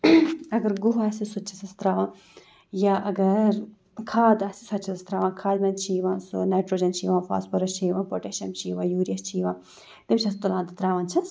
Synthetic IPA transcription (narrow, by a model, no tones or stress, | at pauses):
ɐɡɐɾɡuɦasisut͡ʃʰi̥sɐst̪ɾaːʋãː | jaʔɐɡɐɾ | kʰaːd̪ɐsi̥sɐt͡ʃʰisɐst̪ɾaːʋãːnkʰaːd̪mɐnt͡ʃʰiːʋãːsunajʈɾoːd͡ʒɐnt͡ʃʰiːʋãːfa̰ːspɐɾɐst͡ʃʰiːʋãːpoʈeʃɐmt͡ʃʰiːʋãːjuːɾijɐst͡ʃʰiːʋãː | t̪imt͡ʃʰɐst̪ulãːnd̪ɐt̪ɾaːʋãnt͡ʃʰɐs